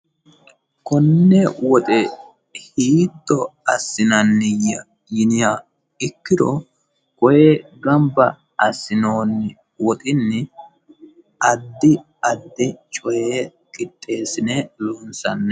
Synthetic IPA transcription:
kɔnːɛwɔt̪ʼɛ | hiːt̪ːɔɐsːɪnɐnːɪjɐ | jɪnɪja | ɪkːɪd̪ɔ | kɔjeɡɐmbɐ | ɐsːɪno̞ːnːɪ | wɔt̪ʼɪnːɪ | ɐd̪ːɪ | ɐd̪ːɪt͡ʃʼɔje | kʼɪt̪ʼːe̞ːsɪnɛloːnsɐnːɛ

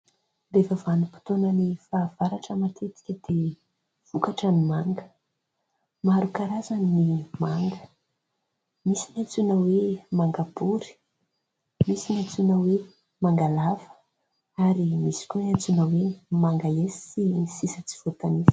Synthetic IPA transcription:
lefəvanipi̥t̪onənifaːv̥aɾaʈ͡ʂəmat̪ʰet̪i̥kʲəd̪̥e | v̥ukaʈ͡ʂənimaŋɡə | maɾukaɾazaninimaŋɡə | misinat͡sunəwemaŋɡabuɾi̥ | misinat͡sunəwe | maŋɡalavə̥ | aɾimisi̥kʲoat͡sunəwemaŋɡaesi̥sinsisət͡si̥v̥ot̪anis

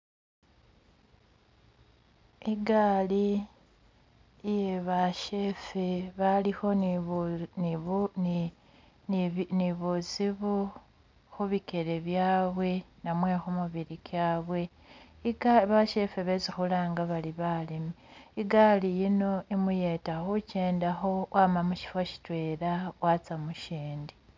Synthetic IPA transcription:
iɡaːli | jeβaʃefeβalixo̞ | n | niβuziβu | xuβikeɾe̞βjaːβwe̞namwe̞xumuβiɾikaːβwe̞ | iɡβaʃe̞feβezixulaːŋɡaβaliβalemiiɡalijino̞imuje̞taxut͡ʃe̞ːndaxo̞wʔaːmamuʃi̥foʃi̥twe̞ːɾawat͡samuʃiːndi

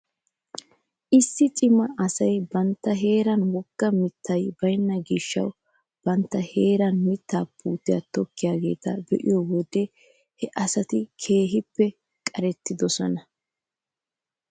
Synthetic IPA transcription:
ʔɪsːɪt͡ʃʼɪmɐʔɐsɐjbɐnt̪ːɐɦe̞ːɾɐnwɔɡ̥ːɐmɪt̪ʰːɐjbɐjnːɐɡɪʃːɐ̰w | b̥ɐnt̪ːɐheːɾɐnmɪt̪ːaːpʰːuːt̪ːɪja̰t̪ɔkːɪjaːɡe̞̰ːt̪ɐbɛ̰ʔɪjɔwɔd̪ɛ | hɛʔɐsɐt̪ɪkʰe̞ːɦɪpːɛ | kʼɐɾɛt̪ːɪd̪ɔsɔnɐ

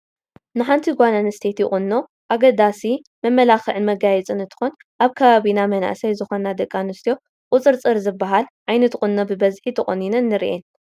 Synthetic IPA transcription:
nɨħant̪ʰiɡʷananɨst̪ʰet̪jɪ̰xʼɨnːo̞ | ʔaɡɐd̪asi | mɐmːɐlaxɨʕɨnmɐɡajɛt͡sʼɨnɨnt̪ʰɨ̥xon | ʔaβkʰɐβaβinamɐna̰ʔsɐjzɨxonːad̪ɐkʼːanust̪ʰijo̞ | kʼʊt͡sʼɨɾt͡sʼɨɾzɨbːaɦalʔajnɐt̪χʼɨnːobɨbɐzħit̪ʰɐχʼɨnːinɨnːɨɾiʔen

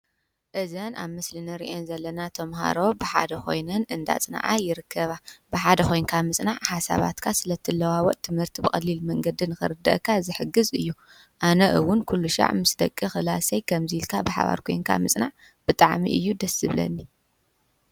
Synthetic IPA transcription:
ʔɨzɐnʔaβmɨslɨnɨɾḭʔenzɐlːɐnat̪ʰɐmɦa̰ɾo̞bɨħa̰d̪ɐkʰo̞̰jnɐnɨnd̪a̰t͡sʼɨna̰ʕa̰jɪɾɨkʰːɐβabɨħad̪ɐxo̞jnkʰamɨt͡sʼnaʕħasa̰βa̰t̪kʰasɨlɐt̪ʰːɨlɐwawɔʔʼt̪ʰɨmhɨɾt̪ʰibɨxʼɐ̰lːilmɐŋɡɐd̪inɨxɨ̰ɾɨd̪ːɐ̰ʔkʰːazɨħɨɡɨzɨjːu | ʔanɐʔɨwʊnkʰulːuʃa̰ʕmɨsd̪ɐkʼːixɨlasɐjkʰɐmzilkʰabɨħa̰βa̰ɾkʰo̞jnkʰa̰mɨt͡sʼnaʕ | b̥ɨt̪ʼaʕmḭʔɨ̰jːud̪ɐsɨβlɐ̰nːi

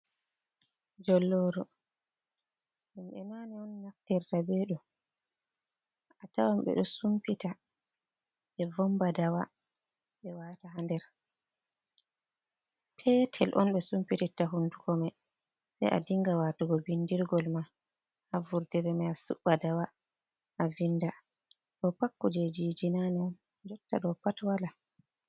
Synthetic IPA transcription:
d͡ʒɔlːoːɾɔ | ɗɛmɓɛmanɛɔnːaftɛɾtabeːɗu | atawamɓɛ̰ɗɔsumpita | ɓɛvɔmbadawa | ɓɛwaːtaɦandɛɾ | pʰɛːtʰɛlʔɔ̰nɓɛsumpititaɦundukɔmɛ | sa̰jʔa̰diŋɡawatuɡɔbindiɾɡɔlma | ʔavuɾdiɾɛmajasṵɓːadawa | ʔavinːda | ɗɔpakːɔd͡ʒɛd͡ʒid͡ʒinanan | d͡ʒɔtːa̰ɗɔpatwala

